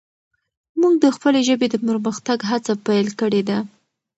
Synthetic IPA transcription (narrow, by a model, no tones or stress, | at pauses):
muɡ̚d̪əxpəleʒəbed̪əpəɾməxt̪aɡɦat͡sapajlkəɽed̪a